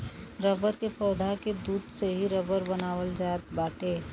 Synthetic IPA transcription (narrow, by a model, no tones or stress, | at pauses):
ɾəbəɾkepʰɔːd̪ʱaked̪uːd̪seɦiɾəbəɾbɐnaːwəld͡ʒaːt̪̚baːʈeː